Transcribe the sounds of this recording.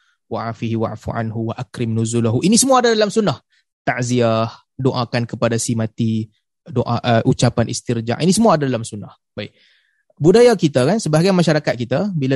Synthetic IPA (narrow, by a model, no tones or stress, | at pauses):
waʕafiɦiwa̰ʕfuʕa̰nɦuwaʔakɾɪmnuzulaɦuʔinisəmuaːdadalamsunːah | t̪aʔziah | doʔakankəpadasimãt̪i | doʔaʔəʔut͡ʃapanʔist̪ird͡ʒa̰ʔinisəmuaːdadalamsunːah | b̥aɪ | budajakit̪akansəbaaɡajmaʃaɾakat̪̚kit̪abila